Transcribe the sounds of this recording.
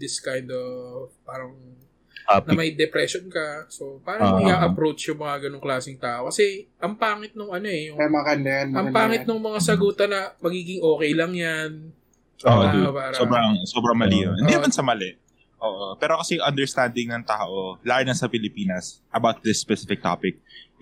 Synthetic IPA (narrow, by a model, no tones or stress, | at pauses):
d̪ɪskajnd̪ovpaːɾɐŋ | nɐmɐjd̪ɛpɾɛʃonkɐso̞paːɾɐŋɪɡaːʔɐpɾowt͡ʃjʊŋmɐŋaɡɐnoŋklaːsɪŋt̪aːʔokɐsɛʔɐŋpaːŋɪt̪̚nʊŋʔɐno̞ɛjʊŋɐmakɐnd̪ɐjɐnɐmpaːŋɪnoŋmɐŋasɐɡuːt̪ɐnɐmɐɡiːɡɪŋʔo̞ːkɛjlɐŋjan | oːʔod̪paːɾsɐobɾɐŋsobɾɐŋmɐliːnoʔɪninɐmansɐmɐlɛʔ | ʔoːʔopɛːɾo̞kɐsɛʔɐnd̪ɛɹst̪and̪ɪŋnɐŋt̪aːʔolaːjɪnɐsɐpɪlɪpiːnɐsʔɐbawt̪̚d̪ɪsːpɛsɪfɪk̚t̪a̰ːpɪk̚